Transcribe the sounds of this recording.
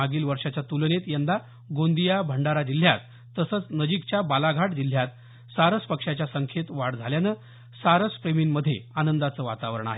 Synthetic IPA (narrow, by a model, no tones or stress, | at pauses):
aɡiːlʋəɾʂat͡ɕjat̪ulnet̪jand̪a | ɡond̪ijabʱəɳɖaɾad͡ʑil̤ːjat̪ː | əsəːt͡snəd͡ʑikt͡ɕjabalaɡʱaʈd͡ʑil̤jat̪ | saɾəspəkʂat͡ɕjasəŋkʰet̪ʋaɽd͡zʱaljanə | saɾəspɾeminməd̪ʱːjeanənd̪at͡səːʋa̰t̪aʋəɾəɳa̰ɦe